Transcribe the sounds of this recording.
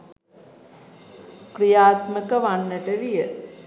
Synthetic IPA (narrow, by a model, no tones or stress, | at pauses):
krijaːt̪məkəʋanːəʈəʋijə